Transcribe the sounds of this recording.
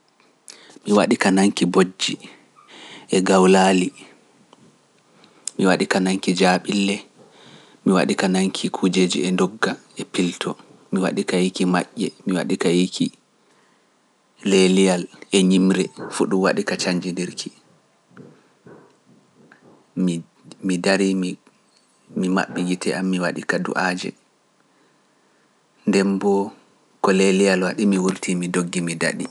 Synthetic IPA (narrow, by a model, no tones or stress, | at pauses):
miwaɗikanaŋkibod͡ʒːi | ʔɛɡawlaːli | miwaɗikanaŋkid͡ʒaɓilːɛ | miwa̰ɗikanaŋkʰikʰud͡ʒeːd͡ʒḭɛndɔɡːaɛpiltʰɔ | miwa̰ɗikajikima̰ʔːɛmiwa̰ɗikajikʰi | lelijalɛɲimɾɛfuɗumwa̰ɗikat͡ʃaɲd͡ʒindiɾkʰi | m | midaɾim | mima̰ɓːiɡitʰɛʔamːiwaɗikadṵʔaːd͡ʒɛ̰ | ndɛmbɔ | kɔlelijalwaɗimiwuɾtʰimidoɡːimida̰ɗi